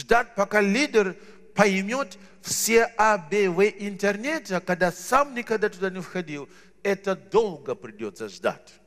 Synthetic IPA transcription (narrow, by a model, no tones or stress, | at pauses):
ʐd̪atʲpɐkalʲidʲɪr | pɐjmʲot̪ | fsʲeabʲevɨʔɪnt̪ernʲet̪ʲɐkɐɡ̚d̪asamnʲɪkɐɡd̪at̪ʊd̪anʲɪfxɐdʲilˠ | ɛt̪əd̪o̞lˠɡəpɾʲɪdʲot̪səʐd̪a̰tʲ